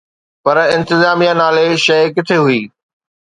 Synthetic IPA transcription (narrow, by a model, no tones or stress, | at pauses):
pɐɾɪ̃nt̪ɪzaːmijanaːleʃɐjkɪt̪ʰeɦuiː